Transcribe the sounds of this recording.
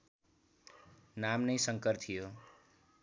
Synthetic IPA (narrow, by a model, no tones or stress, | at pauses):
namnʌjsʌŋkʌrt̪ʰijo